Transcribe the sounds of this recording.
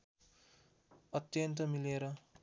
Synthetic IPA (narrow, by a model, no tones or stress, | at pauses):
ʌt̪jʌnt̪ʌmileɾʌ